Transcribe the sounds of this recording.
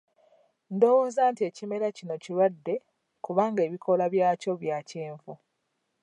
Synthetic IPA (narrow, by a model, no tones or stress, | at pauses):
ndo̞wo̞ːzaːntie̞ːcime̞ɾacino̞cilwadːe̞ | kuβaːŋɡe̞ːβikʰo̞laβjaːco̞βjaːceːɱvu